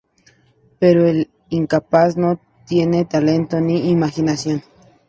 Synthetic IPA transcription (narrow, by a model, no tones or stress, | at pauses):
peɾoel | iŋkapasno | t̪jenet̪alent̪oniːmaxinasjon